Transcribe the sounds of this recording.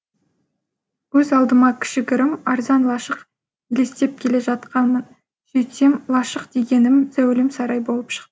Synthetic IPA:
wɵzɑlˠd̪əmɑkʲʰɪ̥ʃɪɡʲɪɾɪmɑɾzɑnlˠɑʃəq | ile̞st̪e̞p̚kʲʰe̞le̞ʒɑt̪qɑnmən | sɵjt̪emlˠɑʃəqd̪e̞ɡʲe̞nɪmz̥æwlɪmsɑɾɑjbo̞lˠəpʃə̥qt̪ə

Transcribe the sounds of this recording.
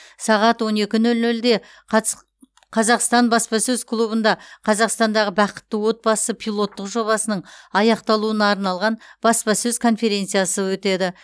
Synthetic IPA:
sɑʁɑt̪wo̞ne̞kʲɪnɵlnɵld̪e̞ | qʰɑzɑqst̪ɑnbɑspɑsɵzkʰlˠubənd̪ɑqʰɑzɑqst̪ɑnd̪ɑʁəbɑqə̥t̪ːəwo̞t̪̚bɑsəpʰijlˠo̞t̪ːəqʒo̞βɑsənəɴɑjɑqt̪ɑlˠuənɑːɾnɑlˠʁɑnb̥ɑspɑsɵzkʰo̞nfe̞ɾʲe̞nt̪sɨjasəwɵt̪e̞d̪ɪ

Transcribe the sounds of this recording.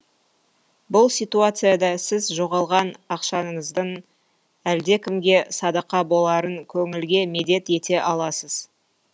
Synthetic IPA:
bʊlˠsʲijt̪uat̪sɨjad̪ɑsɪzʒo̞ʁɑlˠʁɑnɑqʃɑnəɴəzd̪əɴ | æld̪e̞kʲʰɪmɡʲe̞sɑd̪ɑqɑbo̞lˠɑɾəŋkʲʰɵŋɪlɡʲe̞me̞d̪e̞t̪e̞t̪e̞ʔɑlˠɑsəz̥

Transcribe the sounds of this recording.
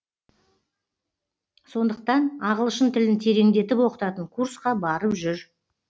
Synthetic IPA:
so̞nd̪əq̚t̪ɑnɑʁəlˠəʃənt̪ʰɪlɪnt̪ʰe̞ɾe̞ŋd̪e̞t̪ɪpwo̞qə̥t̪ɑt̪əɴkʰursqɑbɑɾəpʒʏɾ

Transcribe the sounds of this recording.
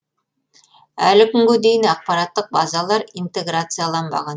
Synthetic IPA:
ælɘkɵŋɡɵd̪ejnɑq̚pɑɾɑt̪ːɤq̚bɑzɑlˠɑɾint̪eɡrat̪sɨjalˠɑnbɑ̰ʁɑn

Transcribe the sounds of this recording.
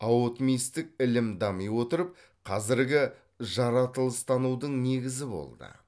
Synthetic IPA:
ɑwot̪mijst̪ɪk̚ɪlɪmd̪ɑmijwo̞t̪əɾəp̚ | qʰɑzɪɾɡʲɪ | ʒɑɾɑt̪əlˠəst̪ɑnud̪əɴne̞ɡʲɪzɪbo̞̰lˠd̪ə̰

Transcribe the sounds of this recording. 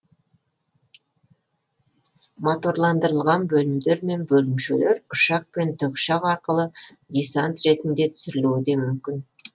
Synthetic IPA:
mot̪oɾlˠɑnd̪əɾəlˠʁɑnbɵlɪmd̪e̞ɾme̞nbɵlɪmʃele̞ɾʊʃɑq̚pe̞nt̪ʰəkʃɑqɑɾqəlˠəd̪ijsant̪ɾe̞t̪ɪnd̪e̞t̪ʰʏ̥sɪɾɪluwd̪e̞mʏmkʲɪn

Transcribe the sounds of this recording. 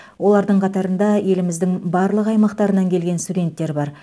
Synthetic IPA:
wo̞lˠɑɾd̪əɴqʰɑt̪ɑɾənd̪ɑje̞lɪmɪzd̪ɪŋbɑɾlˠəqɑjmɑqt̪ɑɾənɑŋkʲʰe̞lɡʲe̞nst̪udʲe̞nt̪ːe̞ɾbɑɾ

